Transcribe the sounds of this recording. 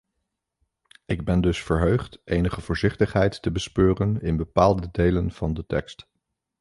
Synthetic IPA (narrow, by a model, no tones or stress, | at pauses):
ɪɡ̚bɛndɵsfəɹɦøɥχtʔejnəχəv̥ʊːɹzɪχtəχɦɛjtːəbəspøːrənɪnbəpaːlˠdədejlənv̥ɑndətɛ̰kst